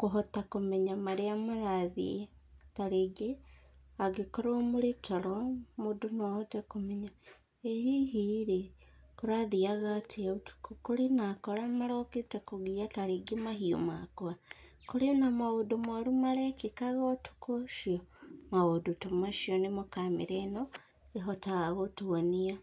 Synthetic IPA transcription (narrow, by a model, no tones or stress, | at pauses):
koɦotakomeɲamaɾeamaɾaðḭe | taɾeɡeaɡekoɾoomuɾetʰoɾomodunohotakomeɲa | ehiɦiɾekuɾaðiaɣatʰetu̥kukulinakolamalokitekuɡiataɾiɡimaɦio̰makoa | kulinamawodumalumalekikaɣotu̥koʃiomawodutumaʃionimukamiɾeno | eɦotaɣaɣotuwania